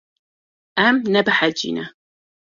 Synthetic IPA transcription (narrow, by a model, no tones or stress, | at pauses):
ʔamnabaħad͡ʒḭna